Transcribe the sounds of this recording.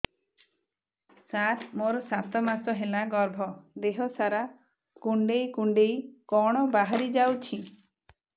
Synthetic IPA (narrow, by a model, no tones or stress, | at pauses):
sat̪ʰmoɾɔsat̪ɔmasɔɦelaɡɔɾbʱɔd̪eɦɔsaɾa | kuɳɖejkuɳɖejkɔɽ̃ɔbaɦaɾid͡ʒawt͡ʃʰi